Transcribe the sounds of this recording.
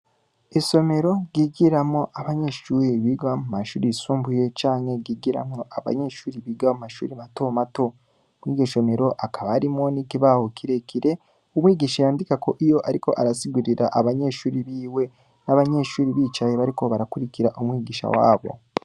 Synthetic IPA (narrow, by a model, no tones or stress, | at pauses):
iʃo̞me̞ɾo̞ɡiɡiɾamŋo̞ʔaβaɲe̞ʃuːɾiβiɡamumaʃuːɾisuːmbuje̞t͡ʃaːnhe̞ɡiɡiɾa̰mŋoʔaβa̰ɲe̞ʃuːɾiβiɡamumaʃṵːɾimato̞mato̞ | mwiɡeʃo̞me̞ɾo̞ʔakaβaɾimŋo̞nikiβahokʰiɾe̞kʰiɾe̞ | umwiːɡiʃajaːndikako̞ʔijo̞ʔaɾiko̞̰ʔaɾasiɡuɾiɾaʔaβaɲe̞ʃuːɾiβiːwe̞ | naβaɲe̞ʃuːɾiβit͡ʃajeβaɾiko̞βaɾakuɾikiɾaʔumwiːɡiʃa̰wa̰ːβo̞̰